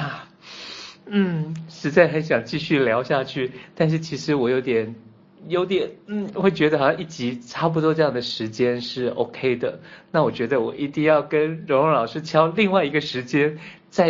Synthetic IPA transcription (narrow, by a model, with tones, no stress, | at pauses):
a˥˩ | n̩˥˩ʂɻ̩˧˥t͡sa˥˩ɪxa˧˥nɕ̬jɑ˨˩ŋt͡ɕi˥˧ɕy˥˩ljɑ˧˥ʊɕja˥˧t͡ɕʰy˥˩t̪a˥˧nʂ̬ɻ̩˥˩t͡ɕʰi˧˥ʂɻ̩˧˥wɔ˨˩jo˧˥ʊt̪jɛ˨˩˦n | jo˧˥ʊt̪jɛ˨˩˦nn̩˥˩xwe˥˩ɪt͡ɕɥɛ˧˥d̪ə˧xɑ˨˩ɕɑ˥˧ŋi˥˩t͡ɕi˧˥ʈ͡ʂʰa˥p̬u˧t̪wɔ˥ʈ͡ʂɤ˥jɑ˥˩ŋd̪ə˩ʂɻ̩˧˥t͡ɕjɛ˥nʂɻ̩˥˩o̰˥ʊkʰe˥ɪd̪ə˨na˥˩wɔ˨˩t͡ɕɥɛ˧˥d̪ə˧wɔ˨˩ʔi˧˥t̪i˥˧ŋjɑ˥˩ʊkə˥nɻʊ˧˥ŋɻʊ˧˥ŋlɑ˨˩ʊʂɻ̩˥t͡ɕʰjɑ˥ʊli˥˧ŋwa˥˩ɪi˧˥ɡə˧ʂɻ̩˧˥t͡ɕjɛ˥n | t͡sa˥˩ɪ